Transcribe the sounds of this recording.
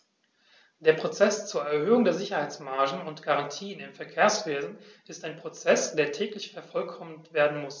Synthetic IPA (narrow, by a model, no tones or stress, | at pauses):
d̥eːɐpʁ̥ot͡sɛst͡suːɐɛɐhøːʊŋdeːɐzɪçɐhaɪt͡smaɐʒn̩ʊntɡ̥aʁantʰiːənɪmfɛɐkʰeːɐsv̥eːzn̩ʔɪstaɪnpʁ̥ot͡sɛsd̥eːɐtʰɛːklɪçfɛɐfɔlkʰɔməntv̥eːɐdn̩mʊs